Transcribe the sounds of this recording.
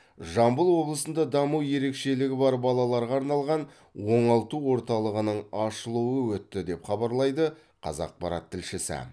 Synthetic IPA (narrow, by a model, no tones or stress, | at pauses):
ʒɑmbəlˠwo̞blˠəsənd̪ɑd̪ɑmuwje̞ɾe̞kʃe̞lɪɡʲɪbɑɾbɑlˠɑlˠɑɾʁɑːɾnɑlˠʁɑn | wo̞ɴɑlˠt̪uwo̞ɾt̪ɑlˠəʁənəɴɑʃəlˠuwəwɵt̪ːɪd̪e̞pχɑbɑɾlˠɑjd̪ə | qʰɑ̰zɑ̰q̚pɑɾɑ̰t̪ʰːɪlʃɪsɪ̰